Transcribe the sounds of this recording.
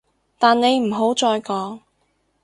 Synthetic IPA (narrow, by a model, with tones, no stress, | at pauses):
t̪aː˨nne˨˧jm̩˨˩ɦo˨˥wt͡sɔː˧jkɔː˨˥ŋ